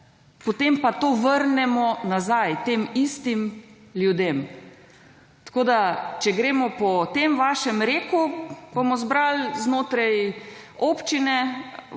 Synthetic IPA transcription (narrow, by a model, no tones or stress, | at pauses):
pot̪empat̪oːʋəɾnɛmɔnazajt̪eːmist̪imljud̪em | t̪ḁkoːd̪at͡ʃɛɡɾeːmɔpɔt̪emʋaːʃɛmɾeːkubomɔzbɾalznoːt̪ɾajoːpt͡ʃinɛ